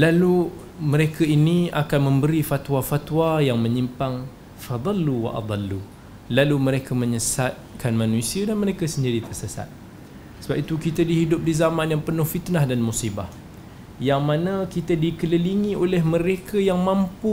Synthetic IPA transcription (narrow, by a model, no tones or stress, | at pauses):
lalu | məɾekʰainiakanmə̃mbəɾifat̪wafat̪wajaŋmə̃ɲimpaŋ | fɑd̪ˤɑlːuwa̰ʔɑ̰d̪ˤɑlːu | laluməɾekʰamə̃ɲəsat̪̚kʰanmãnusiədanməɾekasəɲd͡ʒadit̪ərsəsa̰t̪̚ | səbap̚it̪ukit̪adiɦidʊp̚dizamãnjaŋpənʊhfit̪nahdanmusibah | jaŋmãnakit̪adikələliŋĩolɛhməɾekʰəjaŋmãmpu